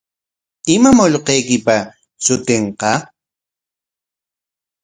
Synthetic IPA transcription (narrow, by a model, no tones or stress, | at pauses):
ɪmamoʎqɑjkɪpa | t͡ʃʊt̪eɴqɑ